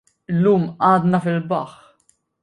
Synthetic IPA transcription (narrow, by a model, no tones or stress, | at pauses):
ɪlːuːmʔɐːd̪nɐfɪlbɐħ